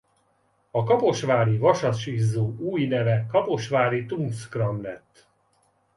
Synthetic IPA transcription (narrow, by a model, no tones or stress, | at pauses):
ɒkɒpo̞ʃvaːɾivɒʃɒt̪ʃizːoːʔuːjnɛvɛkɒpo̞ʃʋaːlit̪uŋskrɒmlɛt̪ː